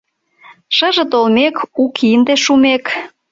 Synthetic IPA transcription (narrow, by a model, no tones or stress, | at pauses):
ʃəʒə̆t̪olmekukʰind̪eʃumek